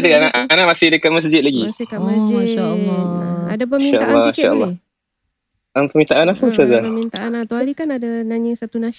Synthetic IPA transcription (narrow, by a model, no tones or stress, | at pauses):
dəkanaʔanaʔ̚masɪhdəkaʔ̚məs̬d͡ʒɪt̪̚laɡiɪkaməsd͡ʒaladapəmiʃaʔlːɔiʃaʔə̰lːɑ | anpəmint̪aʔanapəsad͡ʒamint̪aʔanat̪oalikanadanaɲɪsat̪unã